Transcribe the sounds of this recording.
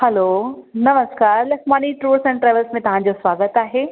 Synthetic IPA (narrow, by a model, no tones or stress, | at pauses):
hɛloːnɐməskaːɾlɐkʰmaːniʈɾuːɾsɛ̃nʈɾɛːʋəlsmẽt̪ɐɦãd͡ʑoswaːɡət̪aːɦeː